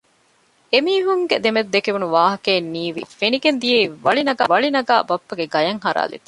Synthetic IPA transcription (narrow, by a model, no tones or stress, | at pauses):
emiːɦuŋɡed̪emed̪d̪ːekeʋunuʋaːɦɐkeːnːiːʋḭfeniɡend̪ijeiʋɐɭinɐɡaːʋɐɭinɐɡa̰ːbɐpːɐɡeɡɐjɐŋɦɐɾa̰ːlḭt̪ːɐ